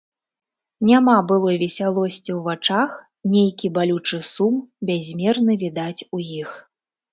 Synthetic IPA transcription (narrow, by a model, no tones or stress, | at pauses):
nʲamabɨlˠɔvʲɛsʲalˠɔsʲt͡sʲiwvat͡ʂax | nʲejkʲibalʲut͡ʂɨsumbʲazʲmʲɛrnɨvʲid̪at͡sʲujix